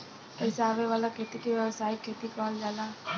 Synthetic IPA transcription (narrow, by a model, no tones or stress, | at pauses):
eisaʋeʋalakʰet̪ikeʋjɛʋsaːikʰːet̪ikɔld͡ʒala